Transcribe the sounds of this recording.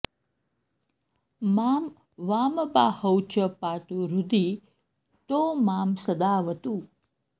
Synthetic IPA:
maːm | ʋaːmba̰ːhəwt͡ʃəpaːʈ̪uɾud̪i | t̪omaːmsəd̪aːʋət̪u

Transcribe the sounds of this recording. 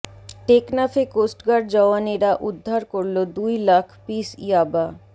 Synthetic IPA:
ʈeknafekosʈɡaɖd͡ʑɔaneɾaʔud̪ʱːaɾkoɾlod̪ujlakʰpisijaba

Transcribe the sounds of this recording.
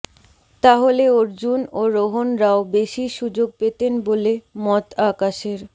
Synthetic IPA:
t̪aɦoleoɾd͡ʑunoɾoɦonɾaobeʃiʃud͡ʑoɡ̚pet̪enbolemɔt̪akaʃeɾ

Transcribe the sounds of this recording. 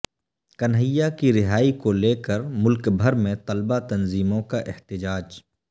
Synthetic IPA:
kɐnɦəjːakiɾɪɦaːikoleːkəɾmʊlkbʱɐɾmẽt̪ɐlbat̪ɐnziːmõkaʔɪht̪ɪd͡ʒaːd͡ʒ

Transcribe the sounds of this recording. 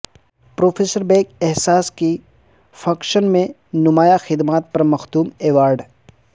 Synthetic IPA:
pɾoːpʰeːsəɾbẽːkɛɦsaːski | fʰɐkʃənmẽ | nʊmaːjaxɪd̪maːt̪̚pɐɾmɐxt̪uːmeːʋaːɾɖ

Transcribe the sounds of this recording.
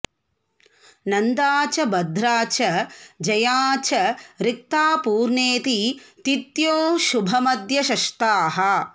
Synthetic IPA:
nɐnd̪aːt͡ʃɐbɐd̪ʱɾaːt͡ʃɐd͡ʒɐjaːt͡ʃɐɾik̚t̪aːpuːɾɳeːt̪it̪it̪joːʃubʱɐmɐd̪jɐʃɐʃt̪aːɦɐ

